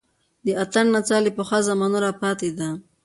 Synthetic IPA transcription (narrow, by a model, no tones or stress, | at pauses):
d̪əat̪aɳnat͡sɑlipoxazamɑnuɾapɑt̪ed̪a